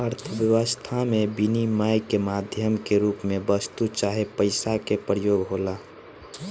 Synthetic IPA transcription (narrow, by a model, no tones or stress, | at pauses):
əɾt̪ʰəʋjəʋəst̪ʰamẽbinimaːjkemaːd̪ʱjəmkeɾuːpmẽbəst̪ut͡ʃaːɦepəɪsakepɾəjoːɡɦoːlaː